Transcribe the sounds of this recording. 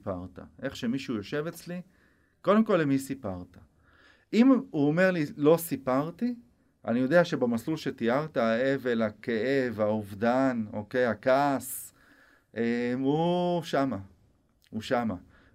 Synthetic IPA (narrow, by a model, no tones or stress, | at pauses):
paʁt̪a̰ʔe̞χʃe̞miʃujo̞ʃe̞vet͡sli | ko̞d̪e̞mko̞lːemisipaʁt̪ḁ | imuome̞ʁlilo̞sipaʁt̪i | ʔa̰nijo̞d̪eaʃe̞bamasulʃet̪iaʁt̪aae̞ve̞lake̞e̞vauvd̪ano̞̰ke̞jakaːs | ʔemuʃama | uʃama